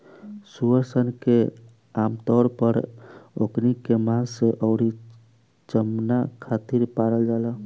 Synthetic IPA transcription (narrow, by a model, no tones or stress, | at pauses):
suəɾsənke | amt̪ɔɾpəɾoknikemãnseʔəʊɽi | t͡ʃəmnakʰat̪iɾpaɾəld͡ʒala